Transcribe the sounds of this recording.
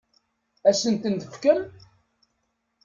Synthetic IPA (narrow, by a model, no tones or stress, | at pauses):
æsənt̪ənt̪əfkəɾ